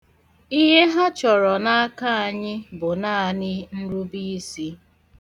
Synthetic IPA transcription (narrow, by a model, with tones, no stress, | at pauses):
i˦ɦe˦ɦa˦t͡ʃɔ˨ɾɔ˨na˦a˦ka˦a˨ɲɪ˦bʊ˨na˦˨a˨nɪ˦n̩˦ɾu˦bi˦si˦